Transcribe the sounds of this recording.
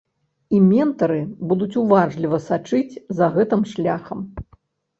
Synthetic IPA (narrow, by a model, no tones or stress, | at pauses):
imʲɛnt̪ɐɾɨbud̪ut͡sʲuvaʐlʲivɐsat͡ʂɨt͡sʲzɐɣɛt̪ɨmʂlʲaxɐm